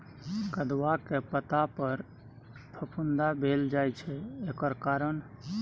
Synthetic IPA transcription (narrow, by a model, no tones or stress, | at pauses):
ɡəd̪wakepət̪apəɾ | pʰəpʰund̪abʱeld͡ʒajt͡ʃʰɛekəɾkaɾəɳ